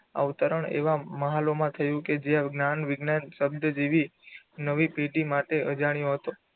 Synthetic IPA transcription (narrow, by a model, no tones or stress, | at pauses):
a̰ut̪əɾəɳḛʋaməɦalomãt̪ʰəjũked͡ʒeaɡnanʋɪɡnanʃəbd̪əd͡ʒeʋi | nəʋipeɖimaʈeʔəd͡ʒaɳ̃joɦət̪o